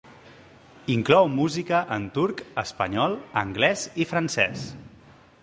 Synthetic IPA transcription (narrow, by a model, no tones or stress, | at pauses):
iŋklɔwmuzikəʔənt̪uɾkəspəɲɔlˠəŋɡlɛzifɾənsɛ̰s